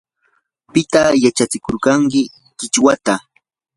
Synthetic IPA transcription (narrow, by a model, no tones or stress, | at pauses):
pɪt̪ajat͡ʃat͡sɪkoɾkaŋkɪ | kɪt͡ʃwat̪a